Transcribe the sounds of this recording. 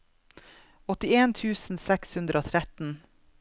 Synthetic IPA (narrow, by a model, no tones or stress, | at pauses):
ɔt̪ɪeːnt̪ʰʉːsn̩sɛkshʉnd̪ɾʔəoːt̪ʰɾɛt̪n̩